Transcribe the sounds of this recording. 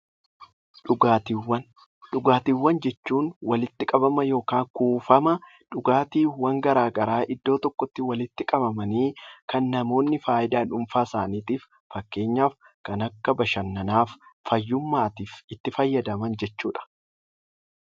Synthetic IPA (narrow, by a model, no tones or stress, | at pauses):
ᶑʊɡaːt̪iwːɐn | ᶑʊɡaːt̪iːwːɐnd͡ʒɛt͡ʃːuːnwɐlɪt̪ːɪkʼɐbɐmɐjo̞ːkaːŋkuːfɐmɐ | ᶑʊɡaːt̪iːwɐŋɡɐɾaːɡɐɾaːʔɪd̪ːo̞ːt̪ɔkːɔt̪ːɪwɐlɪt̪ːɪkʼɐbɐmɐniːkɐnːɐmo̞ːnːɪfaːʔɪd̪aːnʊmfaːsaːniːt̪iːf | fɐkːe̞ːɲːaːf | kɐnɐkːɐbɐʃɐnːɐnaːfːɐjːʊmːaːt̪iːfɪt̪ːɪfɐjːɐd̪ɐmɐnd͡ʒɛt͡ʃːuːᶑɐ̥